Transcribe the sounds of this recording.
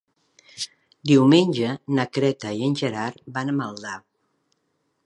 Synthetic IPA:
d̪iwmenʲʒənəkɾɛt̪əiənʲʒəɾaɾbanəməlˠd̪a

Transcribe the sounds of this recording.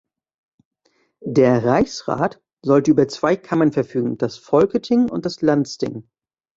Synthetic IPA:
deːɐʁaɪçsʁa̰ːt | zɔltəʔyːbɐt͡sv̥aɪkʰamənfɛɐfyːɡŋ̩d̥asfɔlkətʰɪŋʊ̰ntd̥aslansd̥ɪ̰ŋ

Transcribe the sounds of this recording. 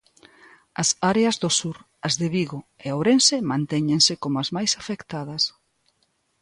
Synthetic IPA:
ɐsaɾeɐzðʊsuɾ | ɐzðɪβiɣoeawɾensemãnt̪ɛɲẽŋsɪkomʊazmajsafekt̪aðɐs

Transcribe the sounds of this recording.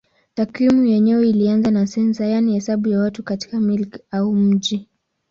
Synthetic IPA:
takwimujɛɲɛwɛilianzanasɛnsajanihɛsaɓujawatukati̥kamilkaum̩ʄi

